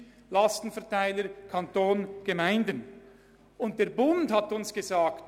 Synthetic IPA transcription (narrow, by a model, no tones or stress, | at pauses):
lɑstn̩fɛɐʁtaɪləɾkʰɑntoːnɡ̥emaɪndən | ʊnt̚d̥eːɐɾbʊndhɑtʊnsɡ̥ezaːkt